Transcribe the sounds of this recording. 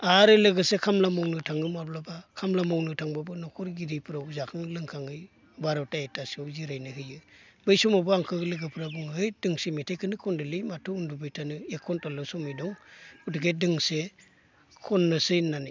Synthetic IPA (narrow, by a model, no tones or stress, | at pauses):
aɾɯlɯɡɯsekʰamlamɔwnɯtʰaŋɯmablabakʰamlamawnɯtʰaŋbabɯnɔkʰɔɾɡiɾipʰɯɾawzakʰɯŋlɯŋkʰaŋɯj | baɾɔwtaetʰasɔwziɾajnɯɦɯjɯbɯjsɔmabɔaŋkʰɯɡlɯɡɯpʰɯɾabuŋɯjdɯŋsemitʰajkʰɯnɯkʰɔndɯlɯjmatʰuundubɯjtʰanɯekʰɔntalɯwsɔmɯjdɔŋudɯɡedɯŋse | kʰɔnːɯsɯjnani